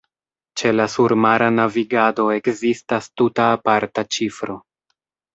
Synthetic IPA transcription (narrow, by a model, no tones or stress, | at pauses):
t͡ʃe̞lasuɾmaɾanaviɡado̞e̞kzistastutaːpaɾtat͡ʃifɾo̞